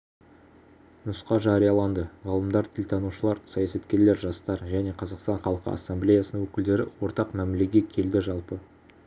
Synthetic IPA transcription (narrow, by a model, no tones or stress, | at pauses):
nʊsqɑʒɑɾijɑlˠɑnd̪əʁɑlˠəmd̪ɑɾt̪ʲʰɪlʲt̪ʰɑnuʃəlˠɑɾsɑjɑsɑt̪kʲe̞ɾle̞ɾʒɑst̪ɑɾʒæne̞qʰɑzɑqst̪ɑɴχɑlˠəqə̰ɑ̰sːɑmblʲejasənəŋwɵkʲɪld̪e̞ɾɪwo̞ɾt̪ɑqmæmle̞ɡʲe̞kʲʰe̞ld̪ɪʒɑlˠpə